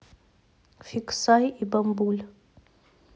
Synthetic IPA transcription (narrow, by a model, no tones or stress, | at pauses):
fiksajibambulə